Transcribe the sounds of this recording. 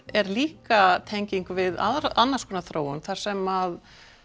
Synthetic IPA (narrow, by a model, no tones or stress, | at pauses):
ɛɾliːkat̪ʰejɲciŋkvɪða̰ðɾanːaskʰɔːnaθɾoːwʏnθaɾ̥sɛmað